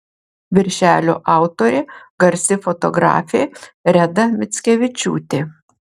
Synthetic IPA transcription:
ʋʲɪɾʲʃʲæːlʲo̰ːʔɑˑʊt̪oɾʲeɡɐɾʲsʲɪfɔt̪ɔɡɾɑ̰ːfʲeːɾʲɛd̪ɐmʲɪt̪sʲkʲɛʋʲɪt͡ʃʲṵːt̪ʲe

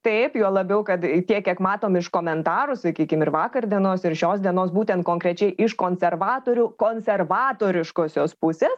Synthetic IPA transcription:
t̪ɐɪpjuɔlˠɐbʲɛʊkɐt̪t̪ʲiɛkʲiɛkmɑːt̪oːmɪʃkoːmʲɛnt̪ɑːɾʊsɐkʲiːkʲɪmɪɾʋɑːkɐrd̪ʲiɛnoːsɪɾʃʲoːsd̪ʲiɛnoːsbuːt̪ʲɛnt̪koːŋkɾʲɛt͡ʃʲɛɪʔɪʃkoːnʲsʲɛrʋɑːt̪oːɾʲukoːnʲsʲɛrʋɑːt̪oːɾʲɪʃkoːsʲoːspʊsʲeːs

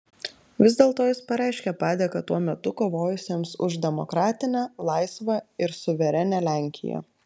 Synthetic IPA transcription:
ʋʲɪzʲd̪ʲeːlˠt̪oːjɪspɐɾʲæˑɪʃʲkʲɛpɑːd̪ʲeːkɐt̪uɔmʲɛt̪ʊkoːʋoːjʊsʲeːmsʊ̰ʒd̪ʲɛmɔkɾɑːt̪ʲɪnʲæːlˠɑɪsʋɐɪɾsʊʋʲɛɾʲɛnʲæːlʲæːˑŋʲkʲɪ̰jɛ̰ː

